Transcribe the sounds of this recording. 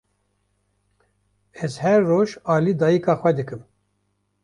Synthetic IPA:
ɛzhɛɾːoːʒɑːliːd̪ɑːjikɑːxʷwɛd̪ɨkɨm

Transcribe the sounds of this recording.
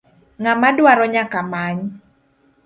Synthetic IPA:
ŋamadwaɾɔɲakamaɲ

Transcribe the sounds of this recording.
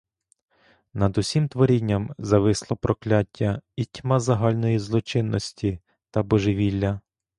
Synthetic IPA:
nɐd̪ʊsʲimt̪ʋɔɾʲinʲːɐmzɐʋɪslˠɔpɾɔklʲatʲːɐitʲmɑzɐɦɑlʲnɔjizlˠɔt͡ʃɪnːɔsʲtʲi | t̪ɐbɔʒɪʋʲilʲːɐ

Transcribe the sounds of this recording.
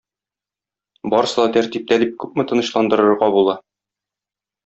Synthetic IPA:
bɒɾɤsɤd̪ɑt̪æɾt̪ip̚t̪ælip̚kʉp̚mɘ̆t̪ɤ̆nɤ̆ɕlˠɑnd̪ɤ̆ɾɤ̆ɾʁɑbulˠɑ

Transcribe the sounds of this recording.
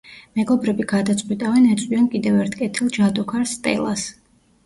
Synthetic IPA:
mɛɡɔbɾɛbiɡad̪at̪sʼqʼwit̪ʼavɛnɛt̪sʼwiɛnkʼid̪ɛvɛɾt̪ʰkʼɛt̪ʰilˠd͡ʒad̪ɔkʰaɾsːt̪ʼɛ̰lˠas

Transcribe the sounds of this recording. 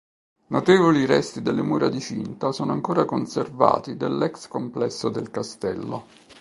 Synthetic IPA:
not̪eːvoliɾɛ̰st̪id̪elːemuːɾad̪it͡ʃint̪asoːnoaŋkoːɾakonserva̰ːt̪id̪elːɛkskomplɛsːod̪elkast̪ɛlːo

